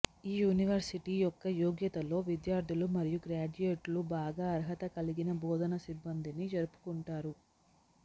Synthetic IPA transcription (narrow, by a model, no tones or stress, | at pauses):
iːjuːniʋɐɾsiʈiːjɔkːɐjoːɡjɐt̪ɐlo̞ːʋid̪jaːɾd̪ʱulumɐɾijuɡɾaːd͡ʒujeːʈlubaːɡaːɐɾɦɐt̪ɐkɐliɡinɐbɔːd̪ʱɐnɐsibːɐnd̪inid͡ʒɐɾupu̥kuɳʈaːɾu